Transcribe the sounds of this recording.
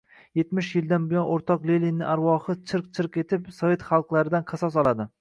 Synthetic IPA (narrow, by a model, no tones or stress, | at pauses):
jet̪mɪʃjɪld̪anbɪjɒnʔoɾt̪ʰɒqlelinːɪʔaɾwɒχɨt͡ʃʰɨɾqt͡ʃʰɨɾqe̞t̪ʰɪpsɒvʲe̞t̪χɑlˠqlˠaɾɪd̪anqʰɑsɒs̬ɒlˠad̪ɪ